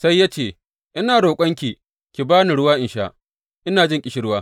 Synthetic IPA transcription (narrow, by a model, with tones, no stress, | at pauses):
sa˦jːaː˦t͡ʃeː˨ | ʔɪ˦naː˨ɽoː˨kʷʼɐ˦ŋkʲi˨ | kʲi˨baː˦ni˨ɽʊ˦waː˦ʔɪ˨nʃaː˦ʔ | ʔɪ˦naː˨d͡ʒɪ˦ŋkʲʼɪ˨˦ʃi˦ɽʊ˦waː˦